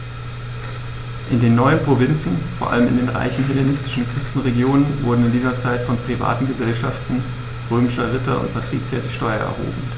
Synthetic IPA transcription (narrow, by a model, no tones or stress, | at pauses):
ʔɪndeːnːɔʏənpʁ̥ovɪnt͡sn̩foːɐʔa̰ləmɪ̰ndeːnʁa̰ɪçn̩ɦelanɪstɪʃn̩kʰʁ̥ʏstn̩ʁeɡjoːnənvʊɐdn̩ɪndiːzɐt͡saɪtfɔnpʁ̥iva̰ːtn̩ɡəzɛlʃaftn̩ | ʁøːmɪʃɐʁɪtɐʊ̰ntpʰatʁ̥ḭːt͡sjɛɐtɪçʃtɔʏɐʔɛ̰ɐɦo̰ːbm̩